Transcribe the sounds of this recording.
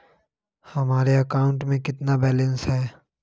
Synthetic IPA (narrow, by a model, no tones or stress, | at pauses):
hɐmaːɾeɐkaːʊ̃ɳʈmẽkɪt̪nabɛːlə̃nsɦɛː